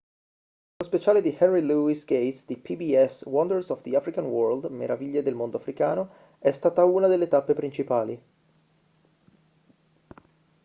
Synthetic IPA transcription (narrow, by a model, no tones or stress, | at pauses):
lospet͡ʃaːled̪ihɛnriluisɡejsd̪ipʰibiɛswɔnd̪əɾsɔvd̪iafɾikanwɔɾld̪mḛɾaviʎːed̪elmond̪oafɾikaːno | ɛst̪aːt̪auːnad̪elːet̪apːepɾint͡ʃipaːlḭ